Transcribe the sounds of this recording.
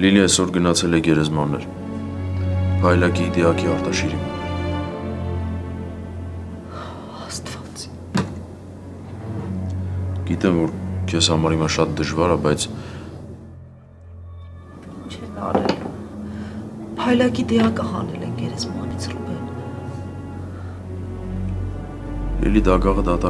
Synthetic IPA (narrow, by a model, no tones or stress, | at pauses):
liliɛsɔɾɡənɑt͡sʰɛlɛɡɛɾɛzmɑnːɛ̰ɾ | pʰɑjlɑkid̪ɛɑkiɑɾt̪ɑʃiɾim | hɑst̪v̥ɑt͡s | ɡ̥it̪ɛmvɔɾkʰɛshɑmɑɾimɑʃɑt̪̚d̪əʒvɑɾɑbɑjt͡sʰ | int͡ʃʰɛnɑ̰ɾɛ̰l | pʰɑjlɑkid̪ɛɑkəhɑ̰nɛlɛ̰ŋɡɛɾɛzmɑ̰nit͡sʰrubɛn | lʔɛ̰lid̪ɑɡɑʁəd̪ɑt̪ɑ